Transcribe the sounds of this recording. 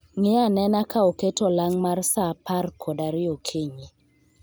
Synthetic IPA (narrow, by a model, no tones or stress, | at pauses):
ŋɪanɛnakaoketolaŋmarsaparkʰodaɾɪokʰeɲe